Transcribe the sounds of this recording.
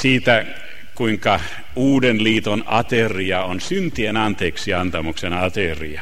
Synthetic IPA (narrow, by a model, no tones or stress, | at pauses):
siːt̪æ | kuiŋkɑ | uːdenliːt̪onɑt̪eriɑonsynt̪ienɑnt̪eːksiɑnt̪ɑmuksenɑt̪erḭɑ